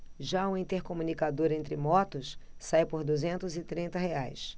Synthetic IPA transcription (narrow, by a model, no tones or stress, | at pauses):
ʒaũĩnt̪eɾkomũnikad̪oɾẽnt̪ɾɪmɔt̪ʊssajpoɾd̪uzẽnt̪ʊzɪt̪ɾĩnt̪ɐɦeajs